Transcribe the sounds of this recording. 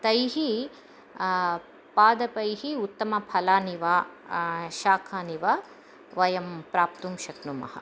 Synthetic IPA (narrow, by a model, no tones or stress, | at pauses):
t̪ɐjɦi | paːd̪ɐpɐjɦiut̪ːɐmɐpʰɐlaːniʋaː | ʃaːkʰaːniʋa | ʋɐjɐmpɾaːpt̪umʃɐknumɐ̰hɐ̰̆